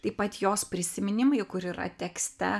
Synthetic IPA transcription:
t̪ɐɪpɐt̪joːspʲɾʲɪsʲɪmʲɪnʲɪmɐɪkʊɾiːɾɐ̰t̪ʲɛksʲt̪ʲɛ

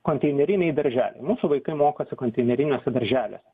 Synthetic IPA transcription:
koːnʲt̪ʲɛɪnʲɛɾʲɪnʲɛɪd̪ɐɾʲʒʲæːlʲɛ̰ɪmuːsuʋɐɪkɐɪmoːkosʲɪkoːnʲt̪ʲɛɪnʲɛɾʲɪnʲoːsʲɛd̪ɐɾʲʒʲæːlʲo̰ːsʲɛ

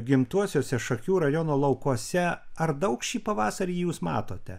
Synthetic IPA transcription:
ɡʲɪmt̪uɔsʲoːsʲɛʃɐkʲuːɾɐjoːnoːlˠɐʊkuɔsʲɛɐɾd̪ɐʊkʃʲiːpɐʋɑːsɐɾʲiːjuːsmɑ̰ːt̪oːt̪ʲɛ

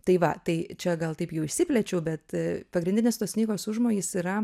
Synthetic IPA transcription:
t̪ɐɪʋɐt̪ɐɪt͡ʃʲɛɡɐlˠt̪ɐɪpjɛʊɪʃsʲɪpʲlʲɛt͡ʃʲɛʊbʲɛt̪pɐɡɾʲɪnʲdʲɪnʲeːst̪oːsʲnʲiːɡoːsʊʒmoːjʲiːsiɾɐ

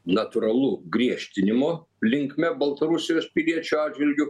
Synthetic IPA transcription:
nɐt̪ʊɾɐlˠuɡɾʲiɛʃʲt̪ʲɪnʲɪmoː | lʲɪŋkmʲɛbɐlˠt̪ɐɾʊsʲɪjoːspʲɪlʲiɛt͡ʃʲuɑːdʲd͡ʒʲʋʲɪlʲɡʲʊ

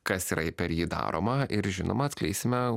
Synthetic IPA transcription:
kɐsiɾɐɪpʲɛɾjiːd̪ɑ̰ːɾo̰mɐɪɾʒʲɪno̰ːmɐːt̪sklʲɛɪsʲɪmʲɛ

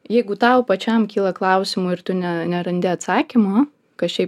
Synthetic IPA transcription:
jɛɪɡʊt̪ɐʊpɐt͡ʃʲɛmkʲiːlˠɐklˠɐʊsʲɪmuɪɾt̪ʊnʲɛnʲɛɾɐnʲd̪ʲɪɐt̪sɑːkʲimoː | kɐtʃʲɛɪp

